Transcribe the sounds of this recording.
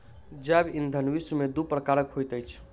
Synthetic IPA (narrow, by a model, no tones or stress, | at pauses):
d͡ʒabind̪ʱənʋismed̪upɾəkaɾəkhojt̪əjt͡ʃʰ